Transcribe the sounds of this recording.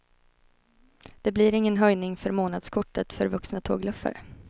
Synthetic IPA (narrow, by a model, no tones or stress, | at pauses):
d̪̥ɛbliɾɪŋːənɦœjnɪŋfœɾmoːnad̪skʰʊʈːət̪fœɾvɵksnat̪ʰo̰ːɡlɵfːə̰ɾ